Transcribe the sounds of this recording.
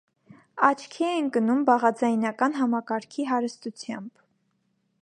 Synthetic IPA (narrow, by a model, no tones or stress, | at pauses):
ɑt͡ʃʰkʰɛɛnkənumbɑʁɑd͡zɑjnɑkɑnɦɑmɑkɑɾkʰiɦɑɾəst̪ut͡sʰjɑ̰mb̥